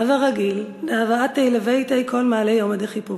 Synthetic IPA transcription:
avaʁaɡilneavaat̪ːejlevejt̪ajkolmaːlejomad̪eχipu

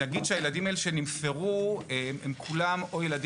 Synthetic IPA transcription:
aɡid̪ʃeajeladimaeleʃenimfeʁueemkʰulamo̞jelad

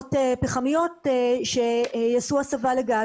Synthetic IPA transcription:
tepeχamijo̞teʃejasuasavaleɡa

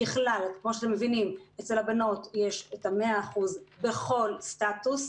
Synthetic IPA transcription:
iχlalkmo̞ʃeat̪e̞mevinimet͡selhabano̞tje̞ʃetame̞aːχuzbe̞χo̞lstatus

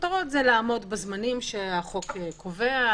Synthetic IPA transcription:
t̪aʁot̪zelaːmo̞dbezmanimʃeaχo̞kekʰovea

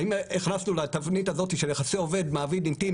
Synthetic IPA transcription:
imiχnasnulat̪avnitazo̞tiʃeljeχaseo̞ve̞d̪maːvidimt̪i

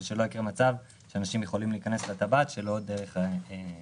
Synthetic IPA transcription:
ʃelo̞jikiʁmat͡sav | ʃeanaʃimje̞χo̞limliːkane̞slet̪abat̪ʃe̞lo̞d̪eʁe̞χe

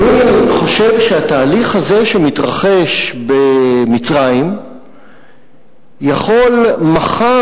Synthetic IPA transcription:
niχo̞ʃe̞vʃeat̪aːliχhaze̞ʃemit̪ʁaχe̞ʃbe̞mit͡sʁajim | jaχo̞lmaχa

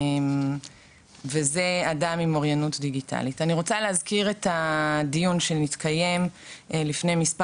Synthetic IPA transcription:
m | vezeadamimoʁjanutdiɡitʰa̰litaniʁo̞t͡saleazkiʁetadijunʃenitkaje̞mlifne̞jmispa

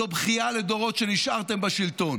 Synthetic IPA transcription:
obχialed̪o̞ʁo̞t̪ʃe̞niʃʔaʁt̪embaʃilt̪o̞n

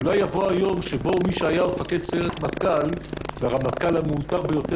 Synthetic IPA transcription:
ulajːavoajo̞mʃebo̞miʃeajamefake̞d̪se̞ʁet̪mat̪kalveʁamatkalhameutaʁbejo̞t̪e

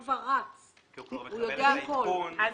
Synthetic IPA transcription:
vaɣat͡s | ujɔk̬ʼɛakʰɔːɔ

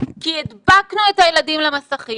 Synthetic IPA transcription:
kied̪baknuethajeladimlamasaχi

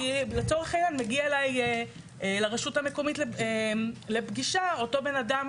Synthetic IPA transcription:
let͡so̞ʁeχejanmeɡiaelaj | leʁeʃutame̞ko̞mitle | lebɡiʃao̞to̞be̞nadam

